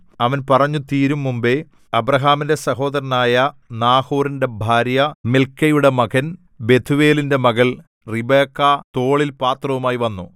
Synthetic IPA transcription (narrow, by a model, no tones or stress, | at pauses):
ɐʋɐnpɐrɐɲːut̪iːɾumːumbe | ɐbrɐɦaːminde̞sɐɦo̞ːd̪ɐɾɐnaːjɐnaːhoːrinde̞bʱaːɾjɐmelkːɐjuɽe̞mɐɣɐn | be̞d̪ʰuʋe̞ːlinde̞mɐɣɐɭ | ribeːkːat̪o̞ːɭilpaːt̪rɐʋumaːjiʋɐnːu